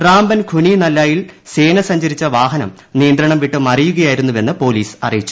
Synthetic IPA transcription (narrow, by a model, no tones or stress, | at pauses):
raːmbɐnɡʱuninɐlːaːjilseːnɐsɐɲd͡ʑɐɾit͡ɕːɐʋaːɦɐnɐm | nijɐnd̪ɾɐɳɐmʋiʈːɨmɐrijuɣɐjaːjiɾunːuʋe̞nːɨpo̞ːliːsɐ̰rijit͡ɕːu̥